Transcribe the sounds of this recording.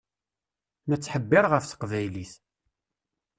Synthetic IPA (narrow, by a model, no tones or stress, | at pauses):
nət͡sːħəbːɪɾʁəfθə̥qvæjliθ